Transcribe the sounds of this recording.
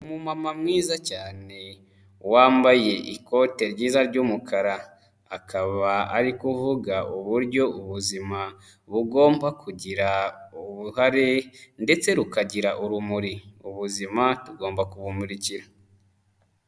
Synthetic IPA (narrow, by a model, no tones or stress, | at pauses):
umumamamŋiːzacaːne̞ | waːmbaje̞ʔiko̞ːte̞ɾɟiːzaɾɟumukʰaɾaː | kʰaβaa̰ɾikuvuɡauβuɾɟo̞uβuzima | βuɡo̞ːmbakʰuɟiɾauβuhaɾe̞nde̞t͡se̞ɾukaɟiɾaʔuɾumuɾiuβuzimatuɡo̞ːmbakuβumuɾiciɾa